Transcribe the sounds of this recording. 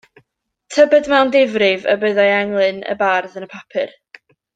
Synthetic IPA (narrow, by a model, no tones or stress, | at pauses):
tʰəbɛdmɛwndɪvrɪvə̰bəðajaŋlˠɨnə̰barðənəpʰapʰɨr